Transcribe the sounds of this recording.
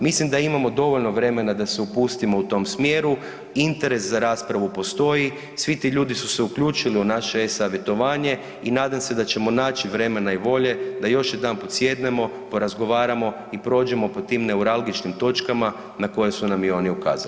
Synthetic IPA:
mislimd̪aimamo̞d̪o̞ʋo̞ʎno̞ʋɾe̞me̞nad̪aseupuːst̪imo̞ut̪o̞msmjeːɾu | int̪e̞ɾe̞szaɾaːspɾaʋupo̞st̪o̞ji | sʋit̪iʎuːd̪isuse̞ukʎuːt͡ʃiliunaʃe̞esaʋje̞t̪o̞ʋaːɲe̞ | inaːd̪amse̞d̪at͡ʃe̞mo̞naːt͡ʃiʋɾe̞me̞naiʋo̞ʎe̞d̪ajo̞ʃjed̪aːnpot̪sʲje̞d̪ne̞mo̞ | po̞ɾazɡo̞ʋaːɾamo̞ | ipɾo̞ːd͡ʒe̞mo̞po̞t̪iːmne̞uɾalɡit͡ʃnimt̪o̞t͡ʃkama | nako̞jesunamjɛo̞ːniuka̰ːza̰li

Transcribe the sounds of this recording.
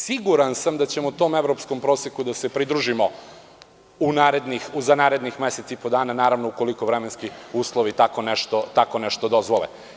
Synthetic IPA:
siɡuɾansamd̪at͡ɕe̞mout̪o̞ːme̞ʋɾo̞pskompɾo̞ːsjekud̪ase̞pɾid̪ɾuʒimo̞ | unaːɾe̞d̪nixuzanaːɾe̞d̪nixmeset̪siipo̞d̪aːnanaːɾaʋnouko̞likoʋɾemenskiuːslˠoʋit̪akoneʃt̪ot̪ako̞neʃt̪od̪o̞zʋolḛ

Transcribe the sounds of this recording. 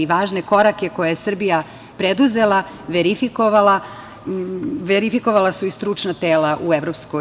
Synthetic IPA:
iʋaːʒne̞ko̞ɾake̞ko̞jajesr̩bija | pɾed̪uze̞la | ʋeɾifiko̞ʋalˠa | ʋeɾifiko̞ʋalˠasuist̪ɾut͡ʂnat̪eːlaʔueʋɾo̞psko

